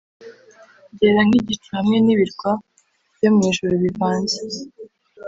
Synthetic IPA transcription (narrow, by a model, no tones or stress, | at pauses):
ɟeɾaŋ̥iɟit͡ʃuhamŋe̞niβiɾɡwḁ | jomuɲiʒuɾuβivaːɲze